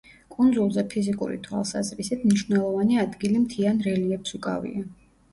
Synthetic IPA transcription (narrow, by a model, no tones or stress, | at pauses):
kʼund̪zulˠzɛpʰizikʼṵɾḭt̪ʰwa̰lˠsa̰zɾisit̪mniʃvnɛlˠɔvaniad̪ɡilimt̪ʰianɾɛliɛpsukʼa̰vḭa